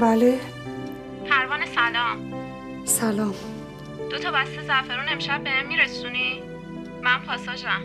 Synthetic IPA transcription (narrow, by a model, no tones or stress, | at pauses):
bæle | pʰæɾvɒːnesælɒːm | sælɒːm | d̪̥ot̪ʰɒːbæst̪ezæfeɾune̞mʃæb̚ːehemːiɾesuni | mæmpʰɒːsd̪ɒːʃæm